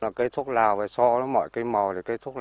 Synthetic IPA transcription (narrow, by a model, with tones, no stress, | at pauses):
aː˨˩ke˦˥t̪ʰu˦˥k̚laː˨˩wvaː˨˩sɔ˧ɗɔ˨˦mɔ̰˧˨jkaː˨˧˦jmɔ˨˩t̪ʰi˨˩keː˦˥t̪ʰu˦˥